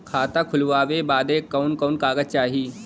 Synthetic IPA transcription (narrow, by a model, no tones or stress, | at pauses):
kʰaːt̪akʰʊlʋaːʋebaːd̪eːkaʊnkɔʊnkaːɡət̪̚t͡ʃaːɦiː